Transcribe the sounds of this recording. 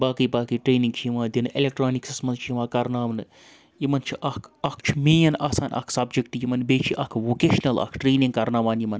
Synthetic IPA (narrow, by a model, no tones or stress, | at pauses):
baːkɨjbaːkiʈɾeːniŋɡt͡ʃʰijiʋãːd̪ʲinelʲek̚ʈɾaːniksismɐnt͡ʃʰjiʋãːkɐɾnaːʋɐnɨ | jimɐnt͡ʃʰiʔɐkʰɐkʰt͡ʃʰimeːjɐnʔaːsaːnʔɐ̰kʰsɐbd͡ʒek̚ʈjimɐnbeːt͡ʃʰiʔɐ̰kʰʋoːkeːʃnɐlɐ̰ːkʰʈɾeːnĩŋɡkɐɾnaːʋaːnjimɐn